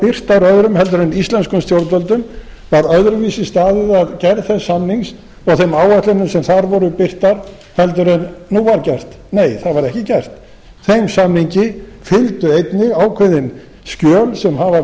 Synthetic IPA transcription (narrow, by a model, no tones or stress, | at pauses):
pɪr̥t̪aɾœðɾʏmhɛl̪t̪̬ʏɾɛnist̪lɛnskʏmst̪jowɾt̪œlt̪ʏm | vaɾœðɾʏviːsɪst̪aːðɪðaðcɛɾðθɛsːamniŋs | ɔɣθejmaːwat̪lɪnːʏmsɛmθaɾvɔɾʏpɪr̥t̪aɾ | hɛlt̪̬ʏɾɛnnuvaɾcɛr̥t̪ | neːjθaðvaɾɛhcɪcɛr̥t̪ | θejmsamniɲcɪfɪlt̪ʏejt̪nɪɣaːwkʰeðɪn | scœːlsɛmhava